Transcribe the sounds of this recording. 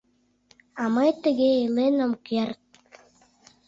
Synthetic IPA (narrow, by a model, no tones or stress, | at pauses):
ɑmɤjt̪ə̆ɣeelenə̆mkert̪̚